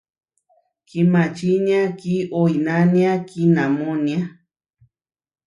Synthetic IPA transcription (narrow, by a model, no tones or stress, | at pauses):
kimat͡ʃiɲakiʔoinaniakinamonja